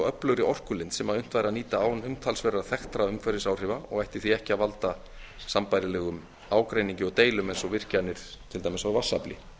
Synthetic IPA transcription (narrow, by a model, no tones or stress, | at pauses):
œplʏɾɪʔɔr̥kʏlɪnt̪sɛmaðʏn̥t̪vajɾaniːt̪aaːwnʏmt̪ʰalsvɛːɾaθɛxt̪ɾaʏmkʰvɛɾɪsaːwr̥ɪvaɔɣajht̪ɪ̥θiɛhcɪaðvalt̪a | sampajɾɪlɛːɣʏm | aːwkɾejniɲcɪɔt̪eːjlʏmejnsɔvɪr̥canːɪɾ̥t̪ʰɪlt̪ajmɪsavasːa̰plɪ̰